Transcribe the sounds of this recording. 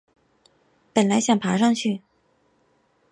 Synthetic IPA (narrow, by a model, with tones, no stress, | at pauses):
pə˨˩nla˧˥ɪɕjɑ˥˩ŋpʰa˧˥ʂɑ˥˧ŋt͡ɕʰy˥˩